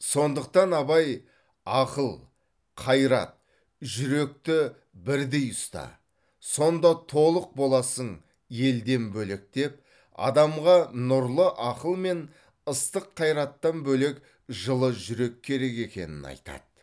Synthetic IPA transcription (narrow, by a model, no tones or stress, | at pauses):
so̞nd̪əq̚t̪ɑnɑbɑj | ɑqəlˠ | qʰɑjɾɑ̰t̪̚ | ʒʏɾe̞k̚t̪ɪ | bɪɾd̪e̞jʊst̪ɑ̰ | so̞nd̪ɑt̪ʰo̞lˠəq̚bo̞lˠɑsəɴ | je̞ld̪e̞nbɵlek̚t̪e̞p̚ | ɑ̰d̪ɑmʁɑnʊɾlˠəʔɑqəlˠme̞n | əst̪əqʰːɑjɾɑt̪ːɑnbɵle̞k | ʒəlˠəʒʏɾe̞kʲʰːe̞ɾe̞ke̞kʲe̞̰nɪnɑ̰jt̪ɑ̰d̪̥